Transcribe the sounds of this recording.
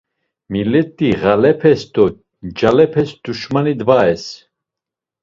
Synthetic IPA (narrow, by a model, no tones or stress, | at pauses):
milɛt̪ʼːiʁalɛpʰɛsd̪ɔ | d͡ʒalɛpʰɛsd̪̥uʃmanid̪vaɛs